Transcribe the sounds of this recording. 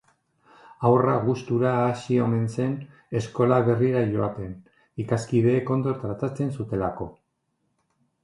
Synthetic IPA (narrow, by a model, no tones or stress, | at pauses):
awraɣust̪uɾaːsio̞me̞nse̞n | e̞sko̞laβe̞riɾaʝo̞at̪e̞n | ikaskið̞e̞ːko̞nd̪oɾt̪ɾat̪at͡se̞nsut̪e̞lako̞